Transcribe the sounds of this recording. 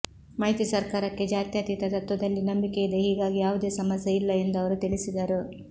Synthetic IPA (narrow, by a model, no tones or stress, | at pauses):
mɐːɦit̪isɐɾkaːɾɐkːe̞d͡ʒaːt̪jaːt̪it̪ɐt̪ɐt̪ʋɐd̪ɐlːinɐmbikejid̪e̞ɦiːɡaːɡijaːʋud̪e̞ːsɐmɐsjɐilːɐe̞nd̪ɐʋɐɾut̪iɭisid̪ɐɾu